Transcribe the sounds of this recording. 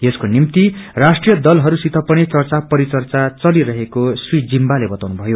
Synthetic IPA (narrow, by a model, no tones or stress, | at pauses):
eskonimt̪irasʈrijʌd̪ʌlɦʌɾusit̪ʰʌpʌnit͡sʌrt͡sapʌɾit͡sʌrt͡sat͡sʌliɾʌɦekoswid͡zimbalebʌt̪awnubʱʌjo